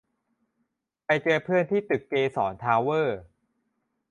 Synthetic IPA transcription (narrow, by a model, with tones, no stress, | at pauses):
pa˧jt͡ɕɤː˧pʰɯ˥˩ənt̪ʰiː˥˩t̪ɯ˨˩kːeː˧sɔː˩˦nt̪ʰaː˧wɤː˥˩